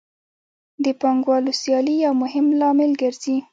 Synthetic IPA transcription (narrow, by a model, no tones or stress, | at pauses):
d̪əpɑŋɡwɑlosjɑlijawmʊhɪmlɑmɪlɡəɾzi